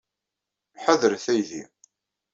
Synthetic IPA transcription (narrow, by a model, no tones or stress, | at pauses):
ħəðəɾθæjðḭ